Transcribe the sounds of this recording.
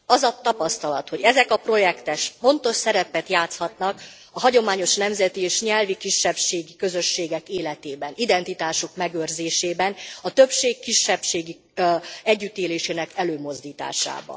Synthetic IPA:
ɒzɒt̪ɒpɒst̪ɒlɒt̪ho̞ɟɛzɛkɒpro̞jɛkt̪ɛʃfo̞nt̪o̞ʃsɛɾɛpɛt̪jaːt̪shɒt̪nɒk | ɒɦɒɟo̞maːɲo̞ʃnɛmzɛt̪ieːʃɲɛlvikiʃːɛpʃeːɡikø̞zø̞ʃːeːɡɛkeːlɛt̪eːbɛnid̪ɛnt̪it̪aːʃokmɛɡørzeːʃeːbɛnɒt̪øpʃeːkːiʃːɛpʃeːɡi | ɛɟːyt̪eːleːʃeːnɛkɛløːmo̞zd̪iːt̪a̰ːʃa̰ːbɒ̰n

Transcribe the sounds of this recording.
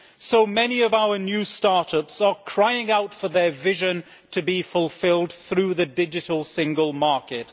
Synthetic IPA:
soʊmɛniʌvaʊə˞njʉstɑɹɾʌpsə˞kʰɹ̥aɪɪ̃ŋaʊtfə˞ðə˞vɪʒɨ̃n | tʰɨbifəlˠfɪlˠd̚θɹʉðɨdɪd͡ʒɨɾəl̩ˠsɪ̃ŋɡəlˠmɑɹkɪt̚

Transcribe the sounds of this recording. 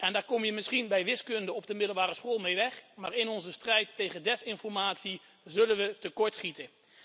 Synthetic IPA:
ɛndaːɹkɔmjəmɪsχinbɛjʋɪskɵndəɔp̚dəmɪdəl̩ˠbaːrəsχoːlˠmejʋɛχma̰ːɹɪnɔnzəstrɛjtːejχədɛsɪnfɔɹmaːtsi | zɵlənʋətəkɔɹtsχitə

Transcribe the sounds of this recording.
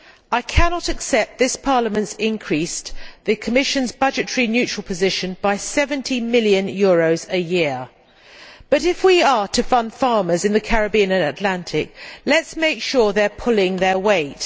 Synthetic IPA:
aɪkʰænɑɾɨksɛp̚t̪̚ðɪspʰɑɹləmə̃ntsɪ̃nkʰɹ̥isðɨkʰəmɪʃɨ̃nzbʌd͡ʒɨtʰəɹinjʉˑt͡ʃɹ̥əl̩ˠpʰəzɪʃɨ̃nb̥aɪsɛvə̃ntʰimɪljɨ̃njɔːɹoʊzɨjɪɹ | b̥ʌɾɪfwiətʰɨfʌ̃nd̥fɑɹmə˞zɨ̃nðɨkʰæɹɨbiə̃nɨ̃nətˡlæ̃ntʰɪk̚lɨtsmeɪkʃʊɹðəpʰʊlˠɪ̃ŋðə˞weɪt

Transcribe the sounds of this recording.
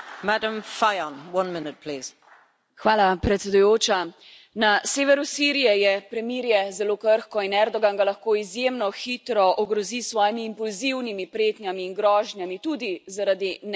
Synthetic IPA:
madə̃mfaɪənwʌ̃nmɪnɪt̚pʰl̥iːz̥ | xʋaːlapɾɛt̪sɛd̪ujoːt͡ʃa | naseːʋɛɾusiɾijɛjɛpɾɛmiːɾjɛzɛloːkəɾxkɔinɛɾd̪ɔɡanɡalaxkoːizjemnɔxit̪ɾɔʔɔɡɾɔzisʋɔːjimiːmpulziwnimipɾeːt̪njamiːnɡɾɔːʒnjamit̪ud̪izaɾad̪in

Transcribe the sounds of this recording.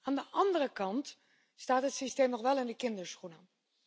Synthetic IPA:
aːndəʔɑndərəkɑnt | staːtɦətsisteːmnɔχʋɛlˠɪndəkɪndəɹsχunə

